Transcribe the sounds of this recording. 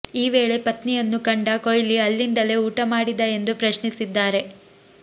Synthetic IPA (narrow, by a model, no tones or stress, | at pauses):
iːʋe̞ːɭe̞pɐt̪nijɐnːukɐɳɖɐkojliɐlːind̪ɐle̞uːʈɐmaːɽid̪ɐend̪upɾɐʃnisid̪ːaːɾe̞